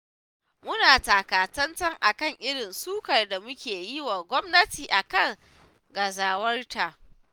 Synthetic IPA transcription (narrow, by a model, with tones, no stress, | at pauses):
mʊ˦naː˨taː˨kaː˨tɐ˦ntɐ˦ŋʔa˨kɐ˦˨ŋʔɪ˦ɽɪ˨nsuː˦kɐ˨rda˨mʊ˦kʲeː˨ji˦wa˨ɡʷɔ˦mnɐ˦tiː˨ʔa˨kɐ˦˨ŋ | ɡɐ˨zaː˨wɐ˦rta˨ʔ